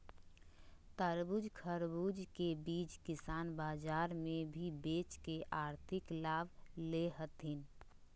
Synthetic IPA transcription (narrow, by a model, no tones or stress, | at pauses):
t̪əɾbud͡ʒkʰəɾbud͡ʒkebiːt͡ʃkɪsaːnbaːd͡ʒaːɾmẽbʱibeːt͡ʃkeʔaːɾt̪ʰɪklaːbleɦət̪ɦɪn